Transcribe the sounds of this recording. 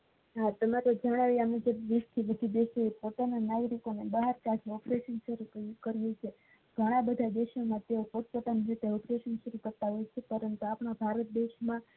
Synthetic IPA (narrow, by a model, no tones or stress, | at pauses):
ɦat̪əmaɾod͡ʒaɽ̃aʋjeamned͡ʒeʋist̪ʰiʋəd̪ʱid̪eʃeepot̪ananaɡɾikonebəɦaɾkad͡ʒɔpɾeʃənʃəɾukəɾijet͡ʃʰe | ɡ̥ʱəɽ̃ãbəd̪ʱad̪eʃomãt̪eopoʈpət̪anid͡ʒət̪eɔpɾeʃənʃəɾukəɾt̪aɦojt͡ʃʰepəɾənt̪uapɳabʱaɾət̪̚d̪eʃmã